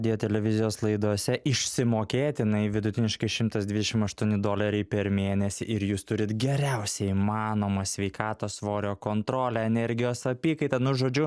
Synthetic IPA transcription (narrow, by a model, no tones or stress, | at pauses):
d̪ʲɪjoːt̪ʲɛlʲɛʋʲɪzʲɪjoːslˠɐɪd̪oːsʲɛʔɪʃʲsʲɪmoːkʲeːt̪ʲjɪnɐɪʋʲɪd̪ʊt̪ʲɪnʲɪʃkɐɪʃʲɪmt̪ɐsd̪ʲʋʲɪd̪ʲɛʃʲɪmɐʃt̪uɔnʲɪd̪oːlʲɐɾʲɛɪpʲɛɾmʲeːnʲɛsʲɪʔɪɾjuːst̪ʊɾʲɪt̪ɡʲɛɾʲɛʊsʲɛimɑːnoːmɐsʲʋʲɛɪkɑːt̪oːsʋoːɾʲoːkoːnt̪ɾoːlʲɛɛnʲɛɾʲɡʲɪjoːsɐpʲiːkɐɪt̪ɐnʊʒoːd͡ʒʲʊ